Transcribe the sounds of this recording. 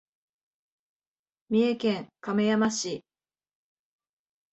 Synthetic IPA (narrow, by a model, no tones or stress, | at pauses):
mʲie̞kẽ̞ŋkame̞jamaɕi